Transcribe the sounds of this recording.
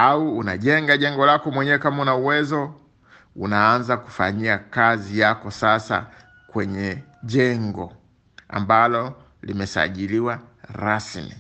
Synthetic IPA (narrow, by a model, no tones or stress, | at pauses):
auːnaʄɛŋɡaʄɛŋɡɔlakɔmwɛɲɛwɛkamaunauwɛzɔ | unaanzaku̥faɲiakazijakɔsasa̰ | kwɛɲɛʄɛŋɡɔ | a̰mbalɔ | limɛsa̰ʄiliwaɾasmḭ